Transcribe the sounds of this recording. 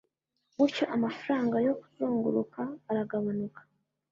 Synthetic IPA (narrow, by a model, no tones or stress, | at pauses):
ɡuɾco̞ʔamafuɾaːŋɡajo̞ku̥zuːŋɡuɾukaːɾaɡaβanukḁ